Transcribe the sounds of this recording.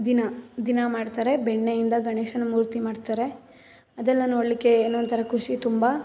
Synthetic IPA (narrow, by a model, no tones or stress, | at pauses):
d̪inad̪inamaːɖt̪aːɾe̞beɳːejind̪ɐɡɐɳeːʃɐnɐmuːɾt̪imaːɖt̪aːɾe̞ | ɐd̪ɛlːɐnoːɽlikːe̞ːnːont̪ʰɐɾɐkʰuʂit̪umbɐ